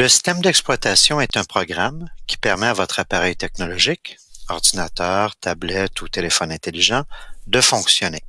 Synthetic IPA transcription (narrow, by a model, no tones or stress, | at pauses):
ləsi̥st̪ɛmd̪ɛksplwat̪asjɔ̃ɛt̪ɛ̃pχɔɡʁamkʲi̥pɛʁmɛavɔt̪χapaʁɛjt̪ɛk̚nɔlɔʒɪkɔʁd̪inat̪œːʁt̪ʰablɛt̪ut̪elefɔnɛ̃t̪eliʒɑ̃d̪əfɔ̃ksjɔne